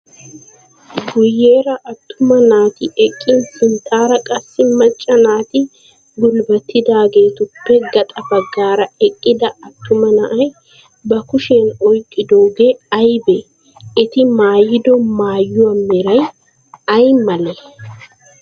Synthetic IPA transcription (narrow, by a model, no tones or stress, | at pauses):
ɡʊjːe̞ːɾɐʔɐt̪ːʊmɐnaːt̪ɪʔɛkʼːɪnsʼɪnt̪ʰaːɾɐkʼɐsːɪmɐt͡ʃʼːɐnaːt̪ɪ | ɡʊlbɐt̪ːɪd̪aːɡe̞ːt̪ʊpːɛɡɐt̪ʼɐbɐɡːaːɾɐɛkʼːɪd̪ɐɐt̪ːʊmɐnɐʔɐj | bɐkʊʃeːnɔjkʼːɪd̪oːɡe̞ːɐjbɛ | ɪt̪ɪmaːjɪd̪ɔmaːjːʊɐmːɛɾɐj | ɐjmɐlɛ